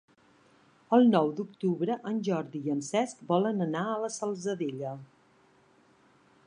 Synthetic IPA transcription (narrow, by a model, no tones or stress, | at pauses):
əlˠnɔwd̪ukt̪uβɾəʔənʲʒɔɾðiənsɛskbɔlənənaələsəlˠzəðeʎə